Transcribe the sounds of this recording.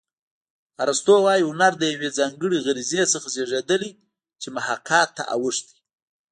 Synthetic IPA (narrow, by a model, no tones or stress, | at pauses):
aɾast̪owɑjihʊnaɾd̪əjawed͡zɑŋɡəɽiɣaɾizesəxaseʐed̪əli | t͡ʃemʊhaqʰɑt̪ːa̰ʔa̰wəʂt̪i̥